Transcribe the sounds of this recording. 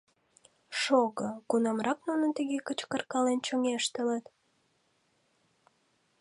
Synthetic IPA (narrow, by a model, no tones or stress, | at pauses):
ʃoɣəkunɑmrɑknunənt̪əɣekət͡ɕkərkɑlent͡ɕoŋeʃt̪ələt̪